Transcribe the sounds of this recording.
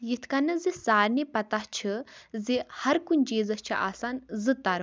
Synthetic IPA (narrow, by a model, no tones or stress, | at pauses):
jit̪ʰkɐnːɨzisaːɾnipɐt̪aht͡ʃʰɨzihɐɾkunʲd͡ʒeːzɐst͡ʃʰiʔa̰ːsanzɨt̪aɾ